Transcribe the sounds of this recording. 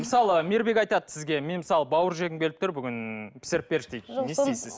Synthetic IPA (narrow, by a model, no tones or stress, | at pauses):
məsɑlˠəme̞ɾbe̞kɑjt̪ɑd̪əsɪzɡʲe̞me̞nmɪsɑlˠəbɑwəɾʒeɡʲɪmkʲelɪp̚t̪ʰʊɾbʏɡʲɪnpʰɪ̥sɪɾɪp̚be̞ɾʃt̪ejk̪ʲːe̞sejsɪz